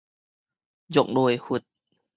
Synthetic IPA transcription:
jo˨˧˩k̚nu˧˩˨jhu˨˩t̪̚

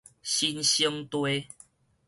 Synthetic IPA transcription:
ɕi˦nɕi˦ŋt̪we˦

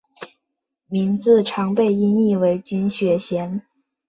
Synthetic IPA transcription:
mi˧˥nt͡sɹ̩˥˩ʈ͡ʂʰɑ˧˥ŋpe˥˧ɪi˥ni˥˩we˧˥ɪt͡ɕi˥nɕɥɛ˧˥ɕjɛ˧˥n

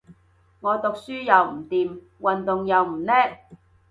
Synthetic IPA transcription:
ŋɔː˨˧t̪ʊ˨k̚syː˥jɐ˨wm̩˨˩t̪iː˨m | wɐ˨nt̪ʊ˨ŋjɐ˨˧wm̩˨˩nɛː˥k̚

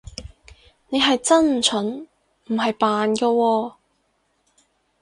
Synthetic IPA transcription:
ne˨˧jɦɐ˨jt͡sɐ˥nm̩˨˩t͡ʃʰɵ˨˥n | m̩˨˩ɦɐ˨jpaː˨nkɔː˧wɔː˧

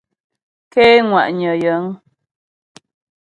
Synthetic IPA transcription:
ke˦ŋwa̰˨ʔɲə˨jə˨˦ŋ

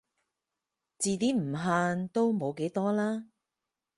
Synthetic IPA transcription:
t͡siː˨˧t̪iː˥m̩˨˩ɦaː˧nt̪o˥wmo˨˧wke˨˥jt̪ɔː˥laː˥

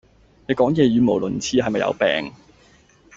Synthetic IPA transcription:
ne˨˧jkɔː˨˥ŋjɛː˨˧jyː˨˧mo˨˩wlɵ˨˩nt͡sʰiː˧hɐ˨jmɐ˨jɐ̰˧wpɛ̰ː˨ŋ

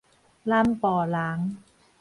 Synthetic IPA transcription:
laː˥˩mpɔː˨˩laː˨˦˥ŋ

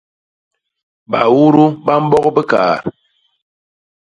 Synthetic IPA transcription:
ba˨wu˦ɾu˦ba˦m̩˦bɔ˦kbə˦ka̰ː˨ɾ

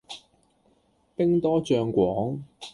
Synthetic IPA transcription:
pɪ˥ŋt̪ɔː˥t͡ʃœː˧ŋkʷɔː˨˥ŋ

